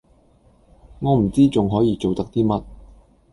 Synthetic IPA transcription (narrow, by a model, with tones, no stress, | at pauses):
ŋɔː˨˧m̩˨˩t͡siː˥t͡sʊ˨ŋɦɔː˨˥jiː˨˧t͡so˨wt̪ɐ˥k̚t̪iː˥mɐ˥t̚